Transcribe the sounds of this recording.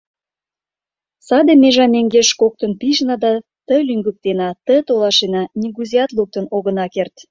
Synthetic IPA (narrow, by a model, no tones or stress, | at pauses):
sɑd̪emeʒɑmeŋɡeʃkok̚t̪ənpiʒnɑd̪ɑt̪əlyŋɡyk̚t̪enɑt̪ə̆t̪olɑʃenɑnʲiɡuzijɑt̪luk̚t̪ə̆noɣə̆nɑkert̪